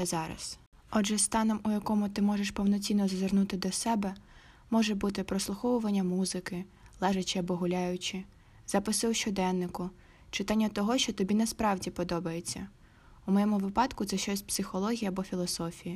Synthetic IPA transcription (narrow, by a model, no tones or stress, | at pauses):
zɑɾɐ̰s | ɔʒɛst̪ɑnɔmʊjɐkɔmʊt̪ɪmɔʒeʃpɔwnɔt͡sʲinːɔzɐzernut̪ɪd̪ɔsɛbɛ | mɔʒɛbut̪ɪpɾɔslˠʊxɔwʊʋɐnʲːɐmuzɪkɪ | lˠɛʒɐt͡ʃɪɐbɔɦʊlʲajʊt͡ʃɪ | z̥ɐpɪsɪwʃt͡ʃɔd̪ɛnːɪkʊ | t͡ʃɪt̪ɑnʲːɐt̪ɔɦɔʃt͡ʃɔt̪ɔbʲinɐspɾɑwdʲipɔd̪ɔbɐjet͡sʲːɐ | umɔjɛmʊʋɪpɑt̪kʊt̪sɛʃt͡ʃɔsʲpsɪxɔlˠɔɦʲijɐɐbɔfʲilˠɔsɔfʲiji